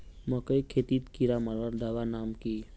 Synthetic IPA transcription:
məkəjkʰeːt̪iːt̪kiɾamaləɾd̪aʋanaːmkiː

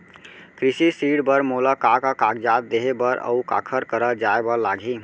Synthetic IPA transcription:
kɾisisiɽbəɾmolakakakaɡd͡ʒat̪̚d̪eɦebəɾə̰uka̰kʰəɾkəɾəd͡ʒaebəlaɡʱi

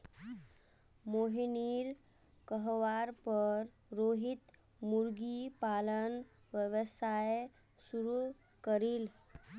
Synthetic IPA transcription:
moɦiniːɾ | kəɦʋaɾpəɾ | ɾoɦit̪ | muɾɡipalən | ʋjəʋəsaj | suɾu | kəɾiːl

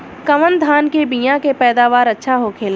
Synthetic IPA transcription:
kɐʋənd̪ʱaːnkebiːjãkepɛːd̪aːʋaːɾɐtːʃʰaɦokʰeːlː

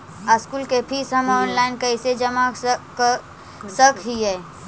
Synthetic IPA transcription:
əskuːlkepʰiːsɦɐmɔːnlaːɪnkɐɪsed͡ʒɐmak | səkɦiɦɛː

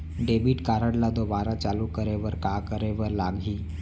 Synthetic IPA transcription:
ɖebiːʈkaɾəɽlad̪oʋaɾat͡salukəɾeʋəɾkakəɾeʋəɾlaɡʱiː

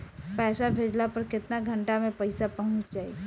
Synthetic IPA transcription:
pɛːsabʱeːd͡ʒlapɐɾkɪt̪naɡʱə̃ɳʈamẽpɐɪsapɐɦʊ̃t͡ʃd͡ʒaːḭː

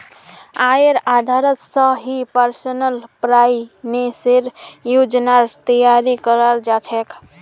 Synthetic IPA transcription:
aɾad̪ʱaɾət̪səɦipəɾsənəlpɾajineseɾjud͡ʒnaɾt̪əjaɾikəɾəld͡ʒat͡ʃʰɛk

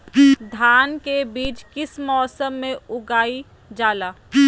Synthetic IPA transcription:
d̪ʱaːnkebiːt͡ʃkɪsmɔːsəmːẽʊɡaːi | d͡ʒaːlaː

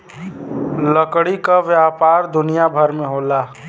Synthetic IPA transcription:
ləkɽikaʋjapaːɾd̪ʊnijabʱəɾmẽɦoːlaː

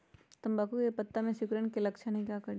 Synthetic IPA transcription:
t̪ɐmbaːkukepɐt̪ːamẽsʊkɾəñkelɐkʃanĩkakɐɾ

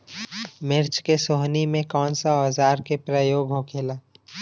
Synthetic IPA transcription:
mɪɾt͡ʃkesoɦnimẽkɔːnsaɔːzaːɾkepɾəjoːɡɦokʰeːlaː

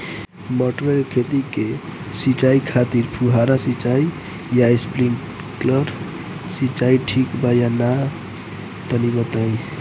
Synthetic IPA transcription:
mɔʈɾelkʰet̪ike | sit͡ʃaikʰat̪iɾpʰuɦaɾasit͡ʃai | jaispɾiŋ | kləɾ | sit͡ʃaiʈʰikbajana | t̪ənibət̪aj

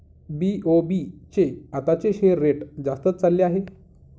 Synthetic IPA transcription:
biobit͡ɕeat̪at͡ɕeɕeɾːeʈd͡zast̪ət͡st͡salːeaɦe

